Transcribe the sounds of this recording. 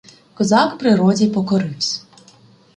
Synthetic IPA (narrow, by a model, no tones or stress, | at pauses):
kɔzɑkpɾɪɾɔd͡zʲipɔkɔɾɪwsʲ